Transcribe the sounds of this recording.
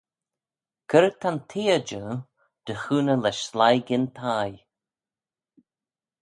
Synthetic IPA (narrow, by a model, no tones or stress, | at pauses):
kʰəɾət̪ʰant̪ʰiːəd͡ʒə | d̪̥əxuːnəlɛʃslajɡɪnt̪ʰaj